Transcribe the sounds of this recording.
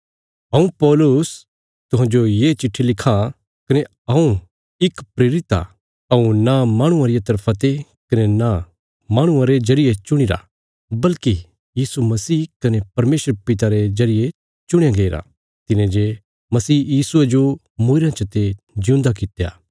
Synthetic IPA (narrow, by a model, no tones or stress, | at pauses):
ɦɐ̃ũpɔːlʊs | t̪ʊɦãd͡ʒojet͡ʃɪʈʰːilɪkʰːa | kɐne | ɐũ | ɪkpɾeːɾɪt̪a̰ | ɐũnamaːɽ̃ʊ̃ãɾɪjat̪ɐɾpʰat̪e | kɐnena | maːɽ̃ʊ̃ãɾed͡ʒɐɾɪjet͡ʃʊɽ̃iɾa̰ | bɐlki | jiːsumɐsiːkɐnepɐɾmeːsɾpɪt̪̬aɾezɐɾɪje | t͡ʃʊɽ̃jaɡeːɾa̰ | t̪ɪnẽd͡ʒe | mɐsiːjiːsʊed͡ʒo | mʊɪɾãt͡ʃɐt̪e | d͡ʒɪ̃ũːnd̪akɪt̪eja̰ː